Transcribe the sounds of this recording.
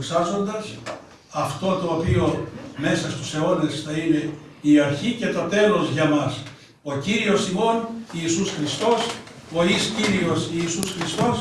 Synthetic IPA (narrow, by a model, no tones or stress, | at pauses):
ksɐzo̞nd̪ɐs | ɐft̪o̞t̪oːpio̞me̞sɐst̪use̞o̞ne̞sθɐine̞ | iɐɾçice̞t̪ot̪e̞lo̞zʝɐmɐs | o̞ciɾio̞simo̞niːsusxɾist̪o̞s | o̞isciɾio̞siːsusxɾist̪o̞s